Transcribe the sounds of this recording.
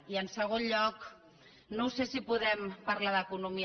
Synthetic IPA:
iənsəɣ̞onʎɔk | nowsesipuðɛmpaɾlaðəkunumi

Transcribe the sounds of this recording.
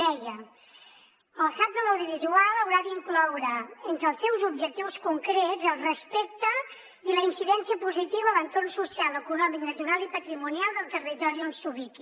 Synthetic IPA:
ɛjə | əlˠkap̚d̪ələwðiβizualˠəwɾad̪iŋklɔwɾəent̪ɾəːlˠsːɛwzubʒək̚t̪iwskuŋkɾezəlˠrəspɛk̚t̪ə | iləinsiðɛnsiəpuzit̪iβəːlənt̪ornsusialˠəkunɔmiknət̪uɾalˠipət̪ɾimunialˠd̪əlˠt̪ərit̪ɔɾiɔnsuβiki

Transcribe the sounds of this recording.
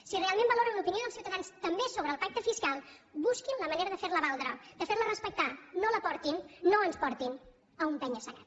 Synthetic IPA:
sirealˠmẽmbəloɾənnupinioðəlˠsiuwt̪əðanst̪əmbesoβɾəlˠpak̚t̪əfiskalˠbuskinləməneɾəðəfeɾləβalˠd̪ɾəd̪əfeɾlərəspək̚t̪anoləpɔɾt̪inːoənspɔɾt̪in | əumpɛɲəsəna̰t̪

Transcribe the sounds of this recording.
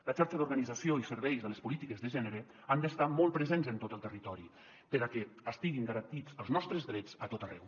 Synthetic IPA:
lət͡ʃaɾʃəðuɾɣənid͡zəsioisəɾβɛjzðələspulit̪ikəzðəʒɛnəɾə | and̪əst̪amɔlˠpɾəzenzənt̪ot̪əlˠt̪ərit̪ɔɾi | pəɾəkɛəst̪iɣinɡəɾənt̪id͡zəlˠznɔst̪ɾəzðɾɛd͡zət̪ot̪ərɛw

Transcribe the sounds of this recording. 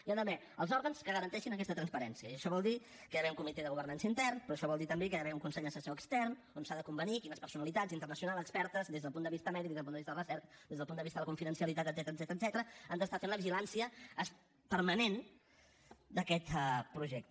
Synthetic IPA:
iand̪əmɛ | əlˠzɔɾɣənskəɣəɾənt̪ɛʃinək̬ɛst̪ət̪ɾənspəɾɛnsiəiəʃɔβɔlˠd̪i | kəjəβɛuŋkumit̪eðəɣuβərnansəint̪ɛrnpɾɔːʃɔβɔlˠd̪it̪əmbekəəβɛuŋkunsɛʎd̪əsəsoəkst̪ɛrn | onsaðəkumbənikinəspəɾsunəlit̪azint̪ərnəsiunalˠəkspɛɾt̪əzdezðəlˠpund̪əβist̪əmɛðik̪̚ezðlpunəβist̪əlrəsɛɾkd̪ezðəlpund̪əβist̪əðələkuɱfiðənsiəlit̪at̪əd̪zɛt̪ɾəd̪zɛt̪ɾəd̪zɛt̪əɾəənd̪əst̪afenləβiʒilansiəːs | pəɾmənen | d̪əkɛt̪pɾuʒɛk̚t̪ə

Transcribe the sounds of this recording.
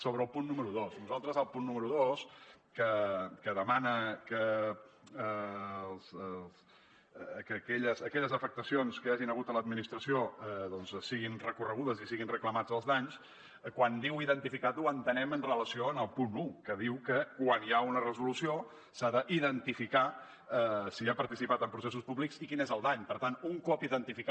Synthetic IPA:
soβɾəːlˠpunːuməɾuðosnuzalˠt̪ɾəzəlˠpunːuməɾuðoskəkəðəmanəkə | lˠss | kəkɛʎəzəkɛʎəzəfək̚t̪əsionskəaʒinəɣut̪ələd̪minist̪ɾəsioəðɔnzsiɣinrəkurəɣ̞uðəzisiɣinrəkləmad͡zəlˠzðaɲs | kwand̪iwiðənt̪ifikat̪uənt̪ənɛmənrələsioənəlˠpunukəðiwkəkwaniaunərəzulusio | saðəʔiðənt̪ifika | əsiapəɾt̪isipat̪əmpɾus̬es̬uspuβliksikinezəlˠd̪aɲpəɾt̪anuŋkɔpiðənt̪ifik

